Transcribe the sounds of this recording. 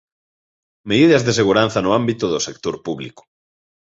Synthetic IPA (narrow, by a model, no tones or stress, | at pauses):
meðiðɐzðeseɣuɾanθɐnoambit̪ʊðosek̚t̪oɾpuβlḭkʊ̥